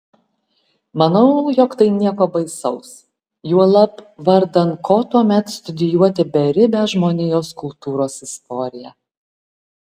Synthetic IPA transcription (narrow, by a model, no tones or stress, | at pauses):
mɐnɐʊjɔkt̪ɐɪnʲiɛkoːbɐɪsɐʊs | juɔlˠɐpʋɐɾd̪ɐnkʰoːt̪uɔmʲɛt̪st̪ʊd̪ʲɪjuɔt̪ʲɪbʲɛɾʲɪbʲɛʒmoːnʲɪjoːskʊlˠt̪uːɾoːsɪst̪ɔːɾʲɪjæ